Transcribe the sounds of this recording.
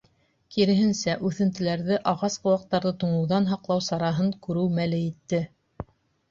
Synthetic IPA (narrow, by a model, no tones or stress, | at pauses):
kiɾɘ̆ɦɘnsæʔʉθɘ̆nt̪ɘ̆læɾðɘʔɑʁɑsqɤ̆wɑq̚t̪ːɑɾðɤt̪ŭɴɤ̆wðɑnɦɑqlˠɑwsɑɾɑɦɤɴkʉɾɘwmælɘit̪ːɘ